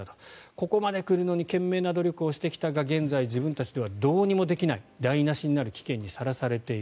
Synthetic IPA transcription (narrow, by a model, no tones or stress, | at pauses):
at̪o̥ko̞ko̞mad̪e̞kɯ̟ɾɯ̟no̞ɲ̟ikẽ̞mːe̞ːnad̪o̞ɾʲjo̞kɯ̟o̞ɕi̥t̪e̞kʲi̥t̪aɡaɡẽ̞nd͡zaid͡ʑibɯ̟̃nt̪at͡ɕid̪e̞βad̪o̞ːɲ̟imo̞d̪e̞kʲinaid̪ainaɕiɲ̟inaɾɯ̟kʲi̥kẽ̞ɲ̟ːisaɾasaɾe̞t̪e̞i